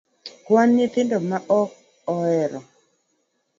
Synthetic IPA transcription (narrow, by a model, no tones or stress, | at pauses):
kwanːɪt̪ɪndɔmaʔɔk̚ | ɔɛɾɔ